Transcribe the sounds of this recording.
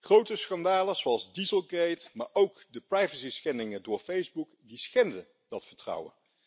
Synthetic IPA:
χrowtəsχɑndaːləzoɑlˠzdizəlˠɡejtma̰ːɹʔowkdəprɑjvəsisχɛndɪŋədʊːɹfejzbukdisχɛndə | dɑtfəɹtrʌ̰wə̰n

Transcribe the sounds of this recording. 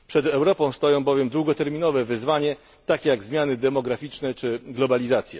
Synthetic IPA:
pʂɛd̪ɛwɾɔpɔ̃w̃st̪ɔjɔ̃w̃bɔvʲjɛmd̪wuɡɔt̪ɛɾmʲinɔvɛvɘzvaɲɛ | t̪akʲejaɡzmʲjanɘd̪ɛmɔɡɾafʲit͡ʂnɛt͡ʂɘɡlɔbalʲizat̪sʲjɛ

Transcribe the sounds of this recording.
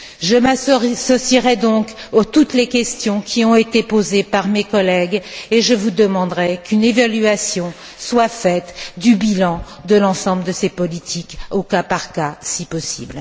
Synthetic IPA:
ʒəmasɔsiʁɛd̪ɔ̃kot̪ut̪lekʲɛst̪jɔ̃kʲʰiɔ̃et̪epozepaʁmekɔlɛɡeʒəvud̪əmɑ̃d̪ʁɛkynevalyasjɔ̃ | swafɛt̪d̪ybilɑ̃ | d̪əlɑ̃sɑ̃bləd̪əsepɔlit̪ʰikokapaʁkasipɔsḭbl

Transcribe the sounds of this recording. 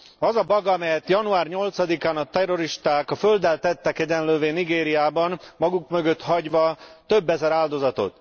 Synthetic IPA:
ɒzɒbɒɡɒmɛjɛt̪jɒnuaːrɲo̞lt̪sɒd̪ikaːnɒt̪ɛro̞ɾiʃt̪aːkɒføld̪ɛlt̪ɛt̪ːɛkɛɟɛnløːveːniɡeːɾijaːbɒnmɒɡukmøɡøt̪hɒɟʋɒt̪ø̞bːɛzɛɾaːld̪o̞zɒt̪o̞̰t̪

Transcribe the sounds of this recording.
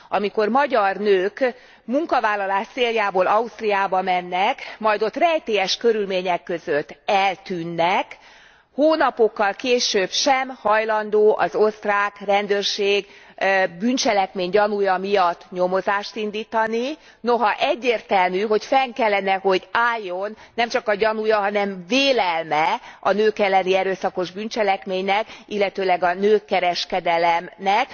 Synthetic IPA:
ɒmiko̞rmɒɟɒrnøːk | muŋkɒvaːlːɒlaːʃt̪seːljaːboːlɒust̪rijaːbɒmɛnːɛkmɒjd̪o̞t̪rɛjt̪eːɛʃkøɾylmeːɲɛkːøzøt̪ːɛlt̪yːnːɛk | hoːnɒpo̞kːɒlkeːʃøːbʃɛmhɒjlɒnd̪oːʔɒzo̞st̪raːkrɛnd̪øːrʃeːɡ | byːnt͡ʃɛlɛkmeːɲɟɒnujɒmijɒt̪ːɲo̞mo̞zaːʃt̪ind̪iːt̪ɒni | no̞ɦɒʔɛɟːeːrt̪ɛlmyɦo̞cfɛŋkɛlːɛnɛɦo̞ɟaːjːo̞nːɛmt͡ʃɒkɒɟɒnujɒɦɒnɛɱveːlɛlmɛɒnøːkɛlːɛniɛɾøːsɒko̞ʒbynt͡ʃɛlɛkmeːɲnɛkilːɛt̪øːlɛɡɒnøːkːɛɾɛʃkɛd̪ɛlɛmnɛk

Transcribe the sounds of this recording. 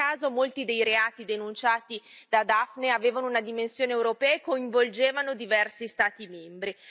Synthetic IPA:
aːzomolt̪id̪ejɾeaːt̪id̪enunt͡ʃaːt̪id̪̥ad̪afneaveːvanounad̪imensjoːneːwɾopɛːaekoiɱvold͡ʒeːvanod̪ivɛrsist̪aːt̪imɛmbɾi

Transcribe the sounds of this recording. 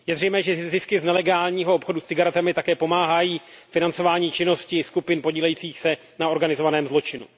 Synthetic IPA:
jɛzrɛjmɛːʒɛzɪskɪznɛlɛɡaːlɲiːɦoopxo̞dust͡sɪɡaɾɛt̪amɪt̪akɛːpo̞maːɦajiːfɪnant͡so̞vaːɲiːt͡ʃɪno̞scɪskupɪnpo̞ɟiːlɛjiːt͡siːxsɛ | nao̞ɾɡanɪzovanɛːmzlo̞t͡ʃɪnṵ

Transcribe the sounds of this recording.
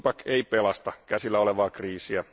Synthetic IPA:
pɑkeipelɑst̪ɑkæsilːæoleʋɑːkriːsiæ

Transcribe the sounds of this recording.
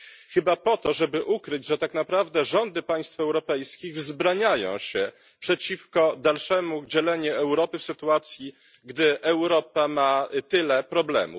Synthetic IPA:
xɘbapɔt̪ɔʐɛbɘʔukɾɘd͡ʑʐɛt̪aknapɾavd̪ɛʐɔnd̪ɘpaj̃st̪fɛwɾɔpɛjskʲiɣvzbɾaɲajɔ̰̃w̃ɕɛ | pʂɛt͡ɕifkɔd̪alʂɛmud͡ʑɛlɛɲuɛwɾɔpɘfsɘt̪uat̪sʲji | ɡd̪ɘʔɛwɾɔpamat̪ɘlɛpɾɔblɛ̰mṵ

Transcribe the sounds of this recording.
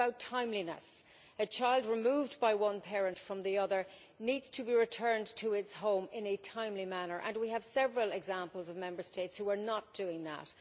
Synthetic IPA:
baʊtʰãɪ̃mlinə̰s | ɨt͡ʃʰaɪlˠdɹɨmuːvbaɪwʌ̃npʰɛɹə̃ntfɹʌ̃mðiʌðə˞ | nidz̥tʰəbiɹɨtʰɜ̃˞ntʰəɪtshõʊ̃mɪ̃nɨtʰãɪ̃mlimænə˞ʔə̰̃nwiəv̥sɛvɹəlˠɪɡzãmpəl̩ˠzʌvmɛ̃mbə˞steɪtshuə˞nət̚d̥ʉɪ̃ŋðə̰t

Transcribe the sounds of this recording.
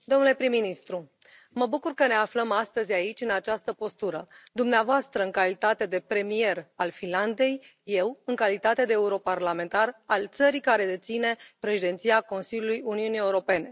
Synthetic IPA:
d̪o̞mnule̞pɾimːinist̪ɾu | məbukurkəne̞afləmast̪əzʲait͡ʃʲɨnat͡ʃast̪əpo̞st̪uɾəd̪umneavoast̪ɾəɨŋkalit̪at̪e̞d̪e̞pɾe̞mie̞ralfinland̪e̞jːe̞wɨŋkalit̪at̪e̞d̪e̞ːuɾo̞parlame̞nt̪aralt̪səɾikaɾe̞d̪e̞t̪sine̞pɾe̞ʃid̪ent̪siako̞nsiljulujuniunije̞uɾo̞pe̞ne̞

